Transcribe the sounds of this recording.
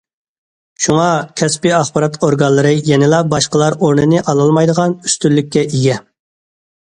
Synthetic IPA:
ʃuŋɑkʲʰɛspɪɑχbɑɾɑt̪oɾɡɑnlˠːɨɾɨjɛnɪlˠɑbɑʃqəlˠɑɾoɾnɨnɨʔɑlˠɑlˠmɑjd̪əʁɑny̥st̪ylːyk̚ʲːɛʔiɡʲɛ

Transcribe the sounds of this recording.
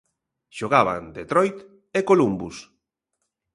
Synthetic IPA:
ʃoɣaβa̰nd̪et̪ɾɔjt̪ | ekolumbus

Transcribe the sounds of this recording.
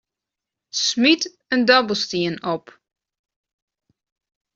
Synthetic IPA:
smit | əndɔbəl̩ˠstiənɔp

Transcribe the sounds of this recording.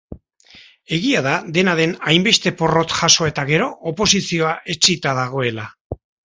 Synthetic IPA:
e̞ɣiaðaðe̞naðe̞najmbe̞st̪e̞po̞ro̞t̪ʝaso̞e̞t̪aɣe̞ɾo̞ːpo̞sisio̞aʔe̞t͡sit̪aðaɣ̞o̞e̞la

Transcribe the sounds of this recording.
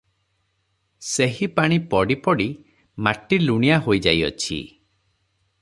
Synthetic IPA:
seɦipaɽ̃ipɔɽipɔɽi | maʈiluɽ̃ijaɦojd͡ʒa̰jɔ̰t͡ʃʰḭ

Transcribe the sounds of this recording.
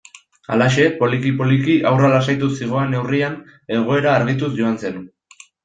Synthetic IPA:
alaʃe̞po̞likipo̞likiʔawralasajt̪usiɣ̞o̞ane̞wrian | e̞ɣ̞o̞e̞ɾaːɾɣ̞it̪usʝo̞anse̞n

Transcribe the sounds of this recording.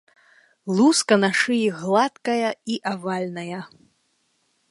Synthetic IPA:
lˠuskɐnaʂɨjiɣlˠat̪kɐjɐiʔavalʲnɐjɐ

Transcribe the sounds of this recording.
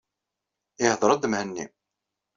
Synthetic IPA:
ɪhðˤɾˤɑd̪əmhənːḭm

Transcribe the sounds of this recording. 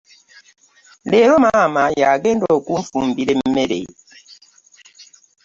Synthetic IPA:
leɾomamajaɡendokuɱfum̩biɾem̩meɾḛ

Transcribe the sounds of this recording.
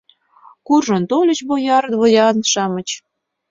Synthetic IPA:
kurʒə̆nt̪olʲət͡ɕbojɑɾt̪βojɑnʃɑmə̆t͡ɕ

